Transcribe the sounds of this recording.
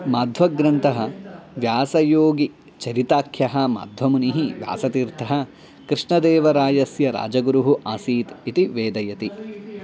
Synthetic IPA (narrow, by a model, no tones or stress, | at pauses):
maːd̪ʱʋɐɡɾɐnt̪ɐɦɐʋjaːsɐjoːɡi | t͡ʃɐɾit̪aːkʰjɐɦɐma̰ːd̪ʱʋɐmuniɦiʋja̰ːsɐt̪iːɾt̪ʰɐɦɐ | kɾiʂɳɐd̪eːʋɐɾaːjɐsjɐɾa̰ːd͡ʒɐɡuɾuɦuʔaːsiːt̪it̪iʋeːd̪ɐjɐt̪i